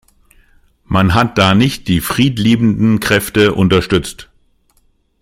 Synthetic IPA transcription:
manɦat̚d̥aːnɪçt̚d̥iːfʁ̥iːtliːbn̩dn̩kʁ̥ɛftəʔʊntɐʃtʏt͡st

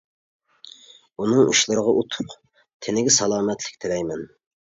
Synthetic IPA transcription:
unɨŋṵʃlˠɨɾəʁɑʔut̪ʰʊ̥q | t̪ʰɪnɪɡʲɪsɑlˠɑːmɛt̪ʰlɪ̥kʲt̪ʰɪɾɛjmɛn

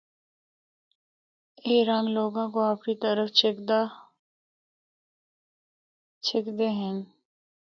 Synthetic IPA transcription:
eːɾãŋɡloːɡãkoaːpɾit̪əɾəft͡ʃd̪a | t͡ʃʰɪkd̪eɦɛ̃n

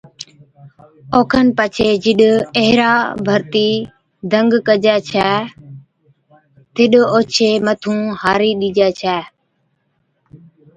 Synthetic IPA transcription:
oːkʰənpət͡ʃʰeːd͡ʒɪɗəɦɾaːbʱəɾt̪iː | d̪ʱəŋɡkəd͡ʒɛːt͡ʃʰɛː | t̪ʰɪɗoːt͡ʃʰeːmət̪ʰũːhaːɾiːɗiːd͡ʒɛːt͡ʃʰɛː

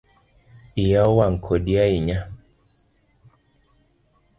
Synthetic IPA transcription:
ijawaŋ̩kʰɔɗiaiɲa

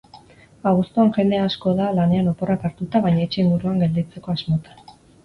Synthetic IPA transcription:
aɣust̪uanʝe̞nd̪e̞asko̞ðalane̞ano̞po̞rakaɾt̪ut̪aβajɲait͡ʃeːŋɡuɾuaŋɡe̞ld̪it͡se̞ko̞azmo̞t̪ḁ

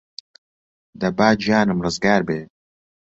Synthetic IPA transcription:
d̪ɐbaːd͡ʒjaːnɨmrɨzɡaːɾbeː

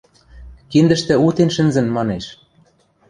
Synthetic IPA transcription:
kind̪ɘ̆ʃt̪ɘ̆ut̪enʃɘ̆nzɘ̆nmɑneʃ

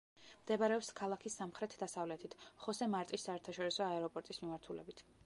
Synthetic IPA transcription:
md̪ɛbaɾɛɔpskʰalˠakʰisːamχɾɛt̪ʰd̪asavlɛt̪ʰit̪ʰχɔsɛmaɾt̪ʼisːaɛɾt̪ʰaʃɔɾisɔaɛɾɔpʼɔɾt̪ʼismimaɾt̪ʰulɛ̰bit̪ʰ

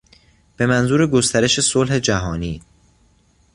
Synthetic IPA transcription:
b̥e̞mænzuːɾeɡo̞st̪ʰæɾe̞ʃe̞solhe̞d͡ʒæɦɒːniː

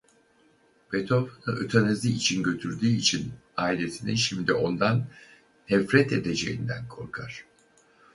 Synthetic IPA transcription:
b̥et̪ʰo̞vnɯʔøt̪ʰaneziːt͡ʃʰinɟø̞t̪ʰyɾd̪yːit͡ʃʰinaːilesʰiniʃimd̪io̞nd̪an | nɛfɾɛt̪e̞d̪e̞d͡ʒe̞̰jind̪ænkʰo̞ɾkʰaɾ̥

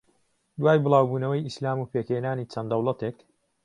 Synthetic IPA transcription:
d̪waːjbɨlˠɑːwbuːnɐwɐjislaːmuːpʰeːkheːnaːnit͡ʃʰɐnd̪ɐwlˠɐt̪eːk

